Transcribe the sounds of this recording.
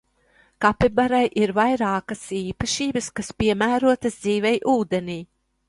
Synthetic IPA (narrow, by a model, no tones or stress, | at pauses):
kapibaɾajʔiɾvajɾɑːkɐsiːpaʃiːbɐskaspiɛmæːɾuɔt̪ɐzd̪ziːvɛjʔuːd̪eniː